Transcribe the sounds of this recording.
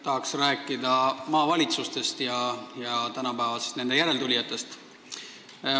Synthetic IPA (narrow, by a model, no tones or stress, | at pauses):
t̪ɑɦɑksræːkːˑid̪ɑmɑːvɑlʲit̪sust̪e̞st̪jɑjɑt̪ænɑpæːvɑsest̪ne̞nd̪ejæɾe̞lt̪ulʲijɑt̪ːˑe̞st̪